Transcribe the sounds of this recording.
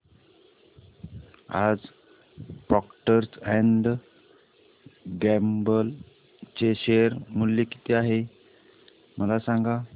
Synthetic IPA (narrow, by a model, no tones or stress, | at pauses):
a̰d͡z | pɔkʈəɾsɛɳɖ | ɡɛmbəl | t͡ɕeɕeəɾmuljeki̥t̪eaɦe | məlasãŋɡa